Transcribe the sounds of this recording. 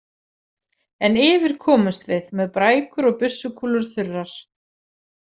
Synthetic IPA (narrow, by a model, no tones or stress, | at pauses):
ɛnɪːvɪɾ̥kʰɔːmʏst̪vɪðmɛðpɾaːjkʏɾɔɣpʏsːʏkʰuːlʏɾ̥θʏrːaɾ̥